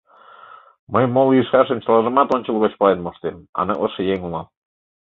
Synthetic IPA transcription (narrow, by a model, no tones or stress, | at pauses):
məjmolˠiʃχɑʃə̆mt͡ɕɑlˠɑʒə̆mɑt̪onʲt͡ɕə̆lˠɣot͡ɕpɑlenmoʃt̪emɑ̰nɤ̰̆ʔɤ̆ʃɤ̆jeŋunɑn